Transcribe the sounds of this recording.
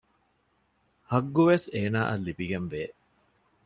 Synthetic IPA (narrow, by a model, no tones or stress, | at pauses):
hɐɡːuʋeseːnaːʔɐlːibiɡenʋeː